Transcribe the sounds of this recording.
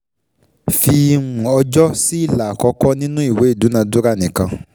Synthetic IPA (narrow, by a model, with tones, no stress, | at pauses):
fĩ˧ũ˨ɔ˧d͡ʒɔ˦si˦i˦˨la˨kɔ˧kɔ˦nĩ˦nũ˦i˦˨we˨˦i˦˨du˨˦nã˧du˦ɾa˦˨nĩ˨kã˧